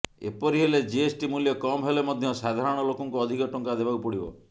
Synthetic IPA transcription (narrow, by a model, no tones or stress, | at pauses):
ḛpɔɾiɦeled͡ʒeesʈimuljɔkɔmɦelemɔd̪ʱjɔsad̪ʱaɾɔɽ̃ɔlokɔŋkuɔd̪ʱikɔʈɔŋkad̪ebaupɔɽibɔ̰